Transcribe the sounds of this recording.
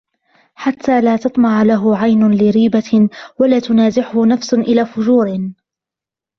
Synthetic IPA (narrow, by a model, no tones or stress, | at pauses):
ħat̪ʰːaːlaːt̪ɑt̪ˤmɑʕlaɦʊʕajnʊlɪɾiːbawalaːt̪ʊnaːzɪħʊhʊnafsʊʔɪlaːfʊd͡ʒuːɾɪ